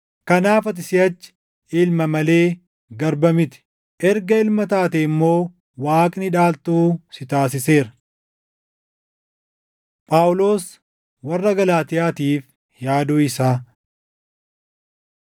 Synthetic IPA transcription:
kɐnaːfɐt̪̬ʼɪsɪɐt͡ʃːɪ̥ | ɪlmɐmɐle̞ː | ɡɐɾbɐmɪt̪ɪ̥ | ʔɛɾɡɐɪlmɐt̪aːt̪ɛɪmːo̞ː | waːkʼnɪᶑaːlt̪uːsɪt̪aːsɪse̞ːɾɐ | pʼaːʊlo̞ːs | wɐrːɐɡɐlaːt̪ɪjaːt̪iːf | jaːd̪uːɪsaː

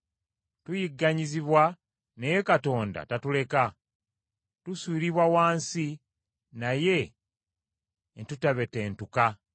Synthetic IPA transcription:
tujiɡːaɲiziβwa | nejekato̞ːnda̰tatule̞ka | tuswiːɾiβwawaːnsi | naje̞ | ntutaβe̞te̞ːntuka

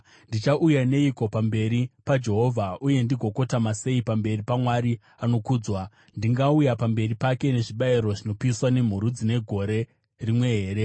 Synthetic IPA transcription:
ndit͡ʃaʔujane̞iko̞pambe̞ɾipad͡ʒe̞ɦo̞vʱaʔuje̞ndiɡʱo̞ko̞tamase̞ipambe̞ripamwaɾi | ano̞kuːd͡zwa | ndiŋɡaujapambe̞ripake̞ne̞ʐiɓaiɾo̞ʐino̞piiswane̞m̤uɾud͡zine̞ɡʱo̞ɾe̞ | rimwe̞ɦeːɾe̞

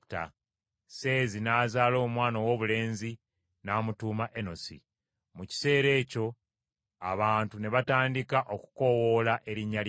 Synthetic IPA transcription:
ta̰ | se̞ːzinaːzaːlo̞ːmwaːnowo̞βule̞ːnzi | naːmutuːmaʔeno̞sḭ | muci̥se̞ːɾe̞ːco̞ | a̰βaːntune̞βataːndikaʔo̞ku̥ko̞wo̞laʔe̞ɾiɲːal

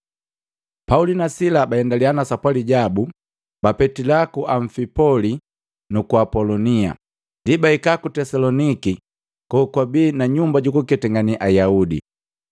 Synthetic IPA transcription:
paulinasilabaɛndalianasapwaliɟabu | bapɛtilakuʔaɱ̩fipɔli | nukuapɔlɔnia̰ | ndibaikakutɛsalɔniki | kɔkwabiːnaɲumbaɟukukɛtɛŋɡaniʔajaudḭ

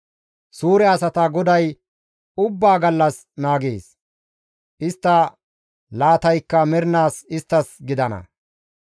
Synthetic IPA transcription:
suːɾɛɐsɐt̪ɐɡɔd̪ɐj | ʊbːaːɡɐlːɐs | naːɡeːs | ʔɪst̪ːɐ | laːt̪ɐjkːɐmɛɾnaːsɪst̪ːɐsɡɪd̪ɐnɐ̰

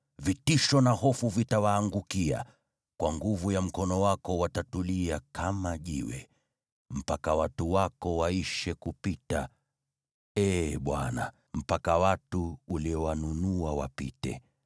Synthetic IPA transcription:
vitiʃɔnahɔfuvitawaːŋɡukia̰ | kwaŋɡuvujam̩kɔnɔwakɔwatatuliakʰamaʄiwɛ̰ | m̩pakawatuwakɔwaiʃɛkupita | ɛɓwa̰na̰ | m̩pakawatuːliɔwanunuawa̰pḭtɛ̰

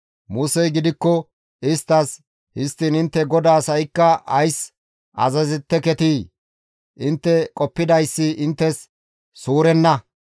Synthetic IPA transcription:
mʊsɛjɡɪd̪ɪkːɔ | ɪst̪ːɐs | hɪst̪ːinɪnt̪ːɛɡɔd̪aːsɐjɪkːɐʔɐjs | ʔɐ̰zɐzɪt̪ːɛkɛt̪iː | ʔɪnt̪ːɛkʼɔpːɪd̪ɐjsːɪʔɪnt̪ːɛsː | uːɾɛnːɐ

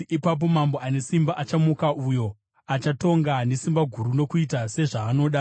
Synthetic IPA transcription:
ipap̬o̞mambo̞ane̞simbaʔat͡ʃamukaʔujo̞ | at͡ʃato̞ŋɡane̞simbaɡʱuɾuno̞kuitase̞ʐaːno̞ːɗa

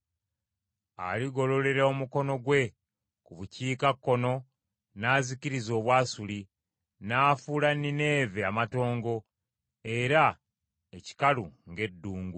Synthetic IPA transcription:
a̰liɡo̞lo̞le̞ɾao̞muko̞no̞ɡwe̞ | kuβuciːkakːo̞no̞ | naːziciɾizo̞ːβwaːsuli | naːfuːlanine̞ːveamato̞ːŋɡo̞ | e̞ɾa | eci̥kaluŋɡe̞dːuːŋɡu

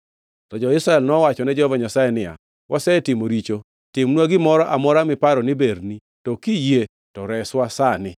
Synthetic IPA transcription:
tɔd͡ʒɔɪsɾaɛlnɔwat͡ʃɔnɛd͡ʒɔhvaɲasajɛnɪja̰ | wʔasɛtɪmoɾit͡ʃo | tɪmnwaɡɪmɔɾɔʔamɔɾamɪpaɾɔnɪbeɾni | tɔkije | tɔɾɛswasanɪ

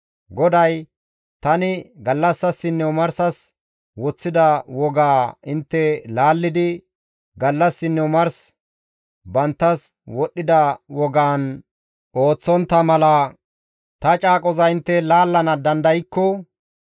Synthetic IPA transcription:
ɡɔd̪ɐj | t̪ɐnɪɡɐlːɐsːɐsːɪnːɛwmɐɾsɐs | wɔt͡sːɪd̪ɐwɔɡaːɪnt̪ːɛlaːlːɪd̪ɪ | ɡɐlːɐsːɪnːɛmɐɾs | bɐnt̪ːɐs | wɔɗʔːɪd̪ɐwɔɡaːn | ʔo̞ːt͡sːɔnt̪ːɐmɐlɐ | t̪ɐt͡ʃʼaːkʼɔzɐɪnt̪ːɛlaːlːɐnɐd̪ɐnd̪ɐjɪkːɔ

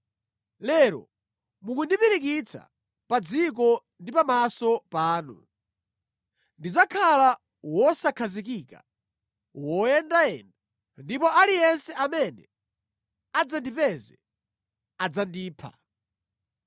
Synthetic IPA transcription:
lɛːɾɔ̰ | mukundipiɾikit͡sʰa̰ | pad͡zik̬ɔ | ndipamasɔpaːnṵ | ndid͡zakʰala | wɔsakʰazik̬ika̰ | wɔjɛndajɛnda | ndipɔʔalijɛnsɛʔamɛnɛ | ad͡zandipɛzɛ | ad͡zandiːpʰa̰

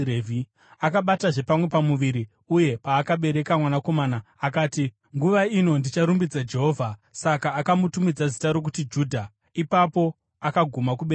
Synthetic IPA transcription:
ɾevi | akaɓataʐe̞pamwe̞pamuʋiɾi | uje̞paːkaɓe̞ɾe̞kamwanako̞maːnaːkaːti | ŋɡuʋaino̞ndit͡ʃaɾumbid͡zad͡ʒe̞ɦo̞ːvʱasakaːkamutumid͡zazitaɾo̞k̬utid͡ʒuːdʱa | ipapo̞ | akaɡʱumakuɓe

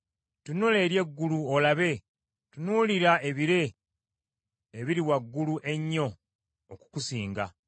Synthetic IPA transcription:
tunule̞ːɾje̞ɡːuluolaβe̞ | tunuːliɾae̞βiɾe̞ | βiɾiwaɡːuluʔe̞ɲːo̞ː | ku̥kusiːŋɡa̰

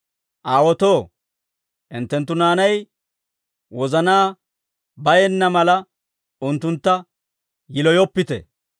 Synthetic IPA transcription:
ʔaːwɔt̪o̞ː | ʔɪnt̪ːɛnt̪ːʊnaːnɐj | wɔzɐnaː | bɐjɛnːɐmɐlɐ | ʊnt̪ːʊnt̪ːɐ | jɪlɔjɔpːɪt̪ɛ̰

